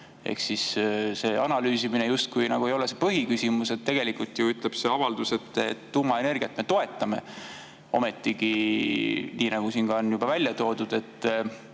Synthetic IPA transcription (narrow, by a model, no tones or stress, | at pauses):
ḛhksisse̞ːɑnɑlyːsiminejust̪̚kujnɑɡ̥ue̞jo̞lesepɤɦikysʲimuse̞t̪ːe̞ɡ̥e̞likult̪ːjuyt̪ˑleb̥se̞ɑvɑld̪̥use̞t̪ːḛt̪ːuːmɑe̞ne̞rɡ̥ʲiɑt̪me̞t̪o̞e̞t̪ːˑɑme̞̰ | o̞̰me̞t̪ˑːiɡi | niːnɑɡ̥usiːnɡ̥ɑonjub̥ɑvælʲjɑt̪o̞ːd̪̥ud̪̥e̞t̪ːˑ